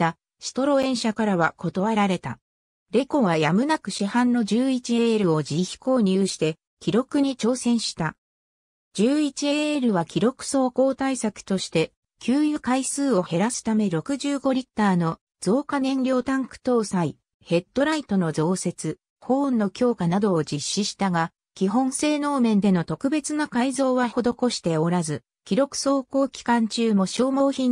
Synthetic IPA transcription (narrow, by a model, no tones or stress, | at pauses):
t̪ːa | ɕi̥t̪o̞ɾo̞ẽ̞ɰ̃ɕakaɾaβako̞t̪o̞βaɾaɾe̞t̪a̰ | ɾe̞ko̞βajamɯ̟nakɯ̟ɕihãnːo̞ʑɨːit͡ɕie̞ɾɯ̟o̞d͡ʑiçʲi̥ko̞ːɲ̟ʲɨːɕi̥t̪e̞ | kʲiɾo̞kɯ̟ɲ̟it͡ɕo̞ːsẽ̞ɰ̃ɕi̥t̪a | d͡ʑɨːit͡ɕieɾɯ̟βakʲiɾo̞kɯ̟̥so̞ːko̞ːt̪aisakɯ̟̥t̪o̞ɕi̥t̪e̞ | kʲʰɨːjɯ̟kaisɨːo̞he̞ɾasɨ̥t̪ame̞ɾo̞kɯ̟ʑɨːɡo̞ɾʲit̪ːaːno̞ | z̥o̞ːkanẽ̞nɾʲo̞ːt̪ãŋkɯ̟̥t̪o̞ːsai | he̞t̪ːo̞ɾait̪o̞no̞zo̞ːse̞t͡sɨ | hõ̞ːnːo̞kʲo̞ːkanad̪o̞ːd͡ʑiɕːiɕi̥t̪aɡa | kʲiɦõ̞ñse̞ːno̞ːmẽ̞nd̪e̞no̞t̪o̞kɯ̟be̞t͡sɨnakaizo̞ːβaho̞d̪o̞ko̞ɕi̥t̪e̞o̞ɾazɨ | kʲiɾo̞kɯ̟̥so̞ːko̞ːkʲi̥kãɲ̟t͡ɕɨːmo̞ɕo̞ːmo̞ːçĩn